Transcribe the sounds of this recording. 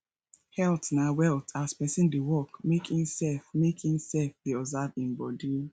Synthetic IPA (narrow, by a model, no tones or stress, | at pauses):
hɛltnawɛltaspɛsĩndewɔkmekhĩmsɛlfmekhĩmsɛlfdeɔzavĩmbɔdi